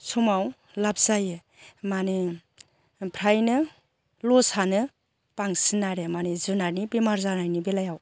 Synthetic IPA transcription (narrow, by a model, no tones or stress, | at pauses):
sʰumaw | lapzajɯ | mane | pʰɾajnɯ | lɔsanɯ | paŋsinaɾemanezɯnaɾnibemaɾzanajnibelajaw